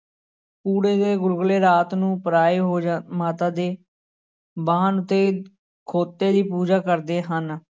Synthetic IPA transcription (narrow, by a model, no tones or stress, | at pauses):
puːɽeːd̪eːɡʊlɡleːɾaːt̪nũːpəɾaːeːɦoːd͡ʒmaːt̪ãːd̪eː | baːənʊt̪ːeː | kʰoːt̪ːeːd̪iːpuːd͡ʒaːkəɾd̪eːɦən